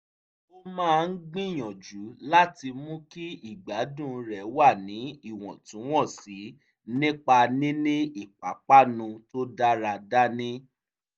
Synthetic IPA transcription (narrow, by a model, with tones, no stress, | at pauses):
o˦mãː˦˧n̩˦ɡ͡bĩ˦˨j̃ɔ̃˨d͡ʒu˨˦la˦ti˧mũ˦ki˦i˦˨ɡ͡ba˨˦dũ˦˨ɾɛ˨wa˦˨nĩ˨˦i˦˨w̃ɔ̰̃˨tũ˨˦w̃ɔ̃˦˨si˨˦ | nĩ˦k͡pa˧nĩ˦nĩ˦i˦˨k͡pa˨˦k͡pa˦nũ˧to˦da˦ɾa˧da˦nĩ˦